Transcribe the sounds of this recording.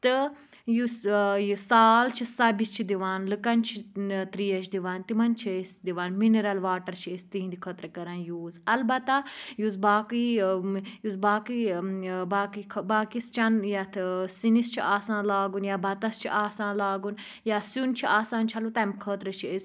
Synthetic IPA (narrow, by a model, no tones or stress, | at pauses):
t̪ɨ | jusjusaːlt͡ʃʰisɐbist͡ʃʰid̪iʋaːnlɨkɐnt͡ʃʰit̪ɾiːɐt͡ʃʰd̪iʋaːnt̪imɐnt͡ʃʰisd̪iʋaːnmineɾɐlʋaːʈɐɾt͡ʃʰiest̪iɦĩnd̪ikʰət̪ɾɐkɐɾaːnjoːzɐlbɐt̪ajuzbaːkɨ | juzbaːkibaːkikʰbaːkist͡ʃɐnjat̪ʰsinist͡ʃʰiaːsãːnlaːɡunjaːbʱɐt̪ɐst͡ʃʰḭʔaːsãːnlaːɡun | jaːsunt͡ʃʰiʔaːsaːnt͡ʃʰɐlut̪ɐmkʰəːt̪ɾɐt͡ʃʰiez